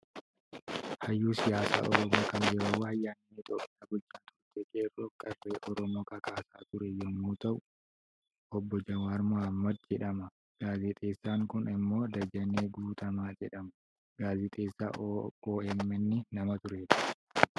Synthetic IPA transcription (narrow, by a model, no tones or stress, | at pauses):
hɐjːuːsɪjaːsa̰ːʔɔɾɔmoːkɐnɡɛɾowɐɐjːaːnːeːɪt̪ʼoːpʼːɪaːɡɔt͡ʃːaːnɔd͡ʒɛkʼeːrɔkʼɐfeːʔɔɾɔmoːkʼɐkaːsa̰ːt̪ʊɾɛjɔmːuːt̪ɐʔʊ | ʔɔbːɔd͡ʒɐwaːɾmʊhɐmːɐd̪̚d͡ʒɛᶑɐmɐ | ɡ̥aːzɪt̪ʼeːsːaːŋkʊnɪmːo̞ːd̪ɐd͡ʒɐneːɡuːt̪ɐmaːd͡ʒɛᶑɐmɐ | ɡ̥aːzɪt̪ʼeːsːa̰ːoːɛmːɛnːɪnɐmɐt̪ʊɾeːt̪ɐ̥